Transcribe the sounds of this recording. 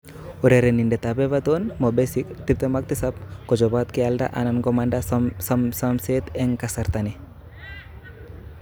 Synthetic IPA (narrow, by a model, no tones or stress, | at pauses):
uɾeɾenindet̪abeβat̪onmɔbesikt̪ip̚t̪emak̚t̪isap̚kɔd͡ʒobat̪̚kiald̪a̰ʔa̰nankomanɖasamsamset̪eŋkasaɾt̪ani